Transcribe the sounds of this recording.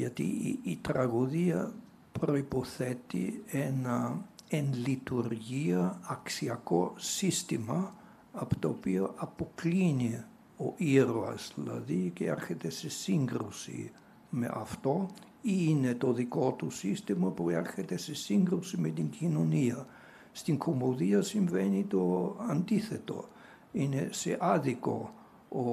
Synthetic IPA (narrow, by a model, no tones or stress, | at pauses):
ʝɐt̪ḭːt̪ɾɐɣoðiɐ | pɾoipoθɛt̪ḭenɐenlit̪uɾʝiɐːksiɐkosist̪imɐ | ɐpo̥t̪oopioʔɐpoklini | oʔiɾoɐ̰sðilɐ̰ðiceɛ̰ɾçet̪esesiŋɡɾusḭ | mḛʔa̰ft̪o | inet̪oðikot̪usist̪ɛmapoiaɾxɛt̪ɛsesiŋɡɾusimɛt̪iŋkʰinonia | st̪iŋkʰomoðiasinvɛnit̪oant̪iθɛt̪o̰ | inesɛʔaðiko̰ | o